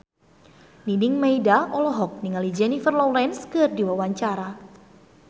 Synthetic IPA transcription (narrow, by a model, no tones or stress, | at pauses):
ninɪŋmeidaʔɔlɔɦɔk̚niŋalid͡ʒɛnifərlɔwlɛnskərdiwawaɲt͡ʃaɾa